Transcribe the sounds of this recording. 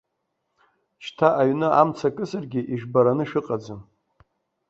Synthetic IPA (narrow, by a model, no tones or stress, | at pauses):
t͡ʃʰtʰaʔaɥnɨʔamt͡sʰakʼɨsarɡʲɪʔiʒᶣbaɾanɨʃᶣɨqʼad͡zɨ